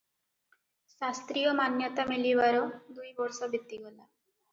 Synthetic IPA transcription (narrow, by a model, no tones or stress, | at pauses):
sast̪ɾijɔmanjɔt̪amilibaɾɔd̪ujbɔɾsɔbit̪ːiɡola